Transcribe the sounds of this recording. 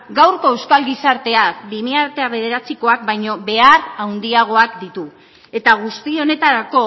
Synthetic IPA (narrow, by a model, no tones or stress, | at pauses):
ɡawɾko̞e̞wskalɡisaɾt̪e̞akbimiaɾt̪e̞aβe̞ð̞e̞ɾat͡siko̞ak̚bajɲo̞βe̞arawnd̪iaɣ̞o̞akd̪it̪u | e̞t̪aɣ̞ust̪io̞ne̞t̪aɾako̞